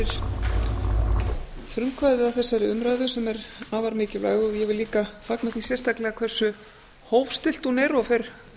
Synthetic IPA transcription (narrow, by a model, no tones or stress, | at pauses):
ɪɾ̥ | fɾʏmkvajðɪðawθɛsːajɾɪʏmɾaːjðʏsɛmɛɾaːvaɾmɪːcɪla̰ːjɣʏɔjɛvɪlːiːkafaknaθisjɛrst̪aklɛɣakʰv̥ɛr̥sʏ | hoːwvst̪ɪl̥t̪unɛɾɔfeɾ̥